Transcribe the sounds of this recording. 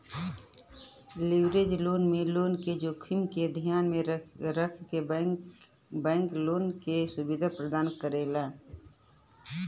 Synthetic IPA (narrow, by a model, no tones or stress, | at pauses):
lɪʋɾeːd͡ʒloːnmẽloːnked͡ʒoːkʰɪmked̪ʱijaːnmẽɾəkʰke | bɛ̃ːŋkloːnkesʊbɪd̪ʱapɾəd̪aːnkəɾeːlaː